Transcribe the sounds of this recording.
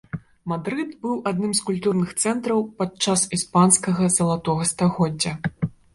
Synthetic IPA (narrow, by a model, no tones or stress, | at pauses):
mad̪ɾɨt̪bɨwʔad̪nɨmskulʲt̪urnɨxt̪sɛnt̪ɾɐwpat͡ʂasispanskɐɣɐzɐlˠat̪ɔɣɐst̪aɣɔdd͡zʲːɐ